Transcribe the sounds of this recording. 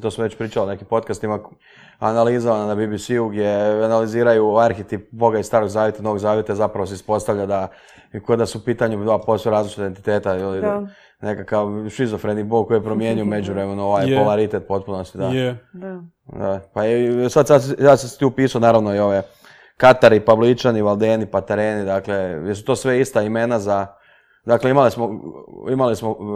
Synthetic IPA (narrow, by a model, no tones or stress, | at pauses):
t̪oːsmoʋe̞t͡ɕpɾiːt͡ʃaline̞kimpo̞t̪̚kast̪ima | analizoʋananabibisiuɡd̪ʲje̞analiziːɾajuaɾxet̪ip̚bo̞ɡaist̪aːɾo̞ɡzaːʋjet̪ano̞ʋo̞ɡzaːʋjet̪aizapɾaʋoseispo̞st̪aʋʎad̪a | kod̪asuupiːt̪aɲud̪apo̞st̪ojɾaːzlit͡ʃit̪ident̪i̥t̪e̞ːt̪ajeli | ne̞kakaʋʃizofɾenibolko̞jipɾomje̞ːɲujume̞d͡ʒuʋɾemenuoʋajpolaɾit̪et̪̚po̞t̪̚punost̪id̪a | d̪apasad̪sad̪s̬jasast̪iupiːsaonaːɾaʋnoio̞ʋe | kat̪aɾipablit͡ʃaniʋalˠd̪eːnipat̪eɾeːnid̪akle̞jes̬u̥t̪oːsʋe̞ist̪aime̞naza | d̪akleimalismoimalismo